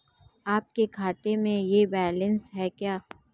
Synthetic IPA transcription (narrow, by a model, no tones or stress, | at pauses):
aːp̚kekʰaːt̪emẽjebɛːlə̃nsɦɛkjaː